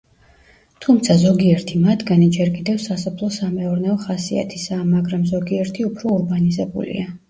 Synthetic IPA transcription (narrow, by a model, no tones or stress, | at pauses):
t̪ʰumt̪sʰazɔɡiɛɾt̪ʰimat̪ʰɡanid͡ʒɛɾkʼid̪ɛvsasɔpʰlˠɔsamɛɔɾnɛɔχasia̰t̪ʰi̥saːmaɡɾamzɔɡiɛɾt̪ʰiupʰɾɔuɾbanizɛbṵlḭa